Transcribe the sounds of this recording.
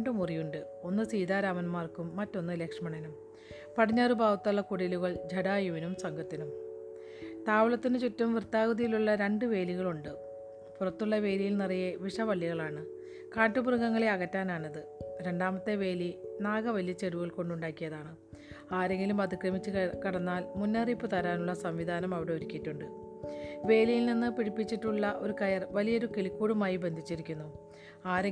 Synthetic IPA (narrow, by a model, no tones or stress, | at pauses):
ɳɖumurijuɳɖɨ | o̞nːɨsiːd̪aːɾaːmɐnmaːrkumːɐtːo̞nːɨleːkʂɐmɐɳɐnɐm | pɐɽʰiɲːaːrubʱaːʋɐt̪ːaɭːɐkuɽiluɣɐɭd͡ʑʱɐɽaːjuʋinumsɐŋɡʱɐt̪ːinum | t̪aːʋɐɭɐt̪ːinɨt͡ɕutːɐmʋirt̪aːɣɐðijiluɭːɐɾe̞ɳɖɨʋe̞ːliɣɐɭuɳɖɨ | purɐt̪ːuɭːɐʋe̞ːlijilnirɐjɐʋiʂɐʋɐɭːjɐɣɐɭaːɳɨ | kaːʈːubrɐŋɡɐŋːɐɭeɐɣɐtːaːnaːɳɐðɨɾe̞ɳɖaːmɐt̪ːe̞ʋe̞ːlinaːɡɐʋɐlijɐt͡ɕːeɾuɣɐɭko̞ɳɖuɳɖaːkːijɐðaːɳɨ | aːɾe̞ŋɡilumɐd̪ikrɐmit͡ɕːɨkɐɽɐnːaːlmunːɐripːɨt̪ɐɾaːnuɭːɐsɐmʋid̪ʱaːnɐmɐʋiɽe̞oɾikʲːiʈːuɳɖɨ | ʋe̞ːlijilninːɨpiɽipːit͡ɕːiʈːuɭːɐʔo̞ɾukɐjɐrʋɐlijoɾukelikːuːɽumaːjibe̞nd̪ʱit͡ɕːiɾikʲːunːu | aːɾe